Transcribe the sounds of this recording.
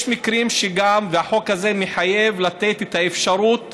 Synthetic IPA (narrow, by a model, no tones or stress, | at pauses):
jʃmikɾimʃeɡamveaħo̞khaze̞meħaje̞vlat̪e̞t̪et̪aefʃaɾut̪